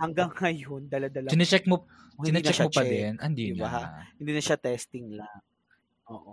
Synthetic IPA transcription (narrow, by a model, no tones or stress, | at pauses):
hɐŋɡaŋːɐjond̪ɐlɐd̪ɐlɐɪnɛt͡ʃɛk̚mo | ɪnɐt͡ʃ̪ɛʃmot͡ʃpɐd̪ɛnʔɐnd̪iaahɪnd̪iːnɐʃat̪ɛst̪ɪŋlaŋ | ʔoːʔo